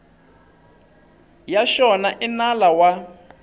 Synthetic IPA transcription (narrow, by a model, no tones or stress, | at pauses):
jaʃɔnaʔinalawa